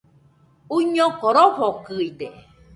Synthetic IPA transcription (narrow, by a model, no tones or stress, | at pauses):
uɲokoɾofokɨid̪e